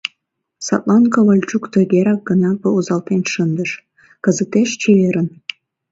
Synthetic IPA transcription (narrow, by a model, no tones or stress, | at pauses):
sɑ̰t̪lˠɑnkɑβəlʲt͡ɕukt̪əɡʲeɾɑk̚ɡənɑk̚bəuzɑlt̪enʲʃənd̪əʃ | kəzət̪eʃt͡ɕeβeɾən